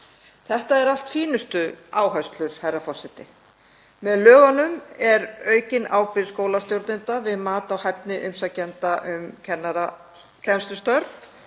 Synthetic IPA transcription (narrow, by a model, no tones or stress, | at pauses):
θɛht̪aɛɾal̥t̪fiːnʏst̪ʏaːwɦœɥst̪lʏɾ̥hajrːafɔr̥sɛt̪ɪ | mɛðlœːɣanʏmɛɾœːɥcɪnaːwpɪɾskoːwlast̪jowɾt̪nɪnt̪avɪðmaːt̪awhɛp̚nɪʔʏmsacɛnt̪aʔʏmcʰɛnːaɾa | cʰɛnst̪ʏst̪œɾ